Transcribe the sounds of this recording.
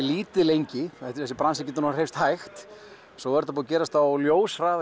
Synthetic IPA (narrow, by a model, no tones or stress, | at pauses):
liːt̪ɪlejɲcɪɛht̪ɪɛsɪpɾansɛcɛːt̪ːnɔaɾhejfst̪hajxt̪ | sɔvɛɾt̪ap̬uðacɛːɾast̪awljoːwsraːð